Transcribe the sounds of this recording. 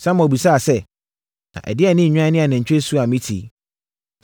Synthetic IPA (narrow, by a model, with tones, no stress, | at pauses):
sã˦mã˨bi˨saː˦˨sɛ˦ | nã̰˨ʔɛ̰˨dɪ˦ɛ˦˨nɪ̃˦ɲ̩˨ɲᶣ˦ã˦nɪ̃˦a˨nɛ̃˨ɲ̩˨t͡ɕᶣe˦su˦a˨mĩ˦tʰḭ˨